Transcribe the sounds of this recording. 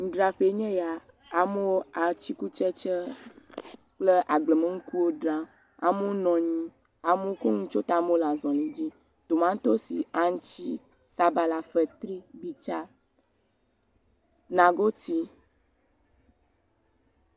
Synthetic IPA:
ŋ̩̃˨ɖɾa˨ɸe˨˦ɲɛ̃˦ja˨ | a˨me˦wo˦a˨t͡ʃi˦ku˦t͡ʃɛ˦t͡ʃɛ˦ | k͡ple˦ʔa˨ɡ͡blə˨me˦ŋ̩˦ku˦wo˦ɖɾã˨˦ | a˨me˦wo˦nɔ̃˨ɲĩ˦ | a˨me˦wo˦ko˦ŋũ˦t͡ʃo˦t̪a˨˦me˦o˦la˨zɔ̃˨lẽ˨d͡ʑi˦ | t̪o˨mã˦ŋ̩˦t̪o˦si˨a˦ŋ˦t͡ɕi˦ | sa˦ba˨la˨fɛ˨t̪ɾi˦bi˨t͡ʃa˦ | nã˨ɡo˦t̪i˦

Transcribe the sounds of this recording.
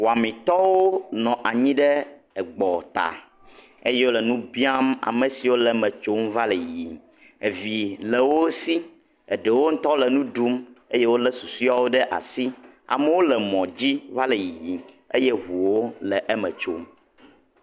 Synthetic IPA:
wo˨a˨mĩ˨t̪ɔ˦wo˦nɔ̃˨ʔa˨ɲĩ˦ɖɛ˦ | ɛ˨ɡ͡bɔ˨t̪a̰˨ | e˦je˦wo˦lɛ˨nũ˦bi˦a˦ma̰˨mɛ̃˨si˨wo˦lɛ˨mɛ̃˨t͡ʃo˦mva˦lɛ˨i˨ | e˨vi˨lɛ˨wo˦si˦ | ɛ˨ɖɛ˨wo˦ŋ̩̃˦t̪ɔ˦lɛ˨nũ˦ɖu˦me˦je˦wo˦lɛ˦su˨si˦a˦wo˦ɖɛ˦ʔa̰˨si˦ | a̰˨me˦wo˦lɛ˨mɔ̃˨d͡ʑi˦va˦lɛ˨ji˨ji˨ | e˦je˦ɦu˨wo˦lɛ˨ʔɛ˦mɛ̰̃˨t͡ʃo̰˦m

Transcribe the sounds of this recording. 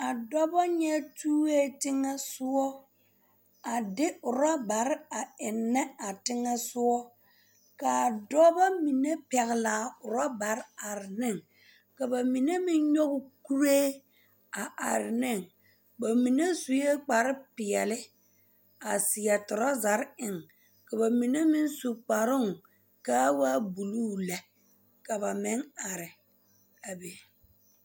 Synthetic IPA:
a˨dɔ˦ba˦ɲɛ˦tuː˦e˦tɪ˦ŋɛ˦sʊ˦ɔ˦ | a˨dɪ˦ʊ˨ɾa˦ba˨ɾɪ˦a˨ɪ˨nːɛ˦a˨tɪ˦ŋɛ˦sʊ˦ɔ˦ | ka˨dɔ˦ba˦mi˨ne˦pɛ˨ɣɪ˨laː˨ʊ˨ɾa˦ba˨ɾɪ˦a˨ɾɪ˨nɪ˦˨ŋ | ka˨ba˨mi˨ne˦mɪ˦ɲɔ˦ɣʊ˦ku˦ɾeː˦ | a˨ʔa̰˨ɾɪ˨nɪ˦˨ŋ | ba˨mi˨ne˦su˨je˦k͡pa˨ɾɪ˦pɪ˨ɛ˨lɪ˦ | a˨sɪ˨ja˨tʊ˨ɾa˦za˨ɾɪ˨ŋ | ka˨ba˨mi˨ne˦mɪ˦nsu˨k͡pa˨ɾʊ˦ŋ | ka˦waː˦bu˨luː˦lɛ˨ | ka˨ba˨mɪ˦ŋa˨ɾɪ˨ | a˨be˨

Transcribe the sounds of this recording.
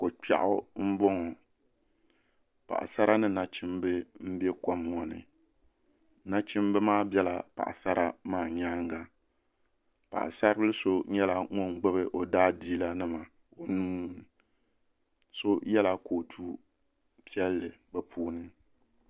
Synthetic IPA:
ko˨k͡pa̰˨ʔʊ˦m̩˦bɔ˦ŋɔ˨ | pa̰˨ʔsa˦ɾa˦nɨ˦na˨t͡ʃɪ˦mbɨ˦m̩˦bɛ˦kɔ˦mːɔ˦nɨ̰˨ | na˦t͡ʃɪ˦m˦bɨ˦maː˦˨bjɛ˦la˨pa̰˨ʔa̰˨sa˦ɾa˦maː˦˨ɲaː˦ŋ˦ɡa˨ | pa̰˨ʔa̰˨sa˦ɾbɨ˦lɨ˦so˦ɲɛ˦la˨ŋɔ˦ŋɡ͡bɛ˦bɨ˦ʔo˨daː˦diː˦la˦nɨ˦ma˨ | o˨nuː˦˨ | so˦jɛ˦la˦ko˨tʰu˦ | pi˦ɛ˦lːɨ˨ɡ͡bɛ˨pʰuː˦nɨ˦

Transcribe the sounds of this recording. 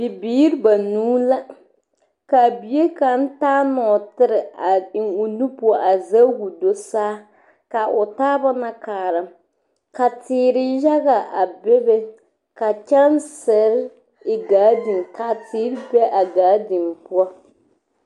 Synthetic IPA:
bɪ˨biː˦ɾba˨nuː˦la˦ | ka˨bi˨je˦ka˨n̩˦taː˦nɔ˨tɪ˦ɾɪ˨a˨ɪ˨ŋʊ˨nu˦pu˦ɔ˦˨ʔa˨za˦hu˨do˦saː˦ | ka˨ʔʊ˨taː˦ba˦na˦kaː˨ɾɨ˨m | ka˨tɪː˨ɾɪ˦ja˦ɣa˨ʔa˨bɪ˦bɛ˦ | ka˨t͡ʃa˦nsɪ˨˦ɾ | ɪ˨ɡaː˨˦di˨ŋka˨tɪː˦ɾɪ˦bɛ˦ʔa˨ɡaː˨˦di˨mpʊ˦ɔ˦

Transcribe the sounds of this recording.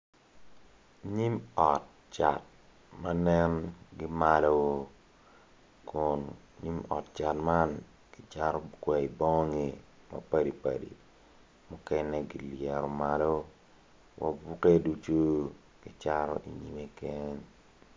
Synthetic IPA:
ɲi˦mɔ˨t̚ | t͡ʃa˨t̚ | ma˦nɛ˦nɡɪ˦malo˦wo˦ | kʊ˨n | ɲi˦mɔ̰˨tt͡ʃa˨tma˦n | ɡ̥ɪ˦t͡ʃa˦ɾɔ˦kwɛ˨i˨bɔ˦ŋ˦ŋi˨ | mɐ̰pa˦di˨pa̰˨dḭ˨ | mʊ˦kɛ˦nɛ˦ɡi˨ljɛ˨ɾɔ˨malo˦ | wʔa̰bu˦ke˦du˦t͡ʃu˦ | ɡ̥ɪ˨t͡ʃa˦ɾo̰˦ʔi˨ɲi˦me˦ke˦ɲ

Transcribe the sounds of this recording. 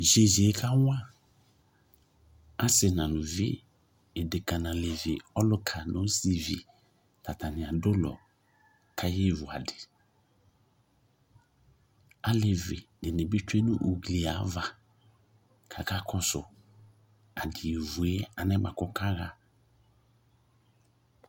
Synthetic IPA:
ʒe˨ʒe˨˦kʰa˦wã˦ | a˦sɪ˨nã˨nʊ̃˨vɪ̰˦ | ɪ˨dɪ˨ka˨nã˨le˨vɪ˨ɔ˦lʊ˦kʰa˨nõ˨˦si˨vḭ˨ | ta˨ta˨nɪ̃˨a˨dʊ˦lɔ̰˨ | kʰa˦jɪ˦˨vʊ˨a̰˨dɪ˨ | a˦le˨vɪ̰˨dɪ˨nẽ˨bɪ˦t͡ʃe˦nũ˦ʔu˨ɡli˨a˨˦va˨ | kʰa˨ka˦kʰɔ˦sʊ̰˨ | a˨dɪ˨e˨vu˨e˦a˨nɛ̃˦ma̰˨kɔ˦kʰa˦ɣa˨

